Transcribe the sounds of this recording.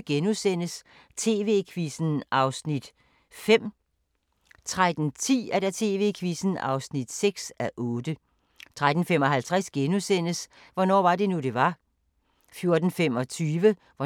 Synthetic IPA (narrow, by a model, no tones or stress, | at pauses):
ɡ̥enusen̰əs | t͡sʰe̝ːʋe̝ːkʰʋisn̩ɑ̈ʊsnid̥ | fem̰ | t͡sʰʁad̥n̩t͡sʰḭːædæt͡sʰe̝ːʋe̝̰ːkʰʋisn̩ɑ̈ʊsnid̥seɡ̥sæʔɔ̽ːd̥ə | t͡sʰʁad̥n̩femɒ̽ɦælt͡sʰʁæsɡ̥enusen̰əs | ʋɒnɒ̰ːʋɑ̈d̥e̝nud̥e̝ʋɑ̈ | fjo̝ɐd̥n̩fem̰ɒ̽t͡sʰyːʋə | ʋɒ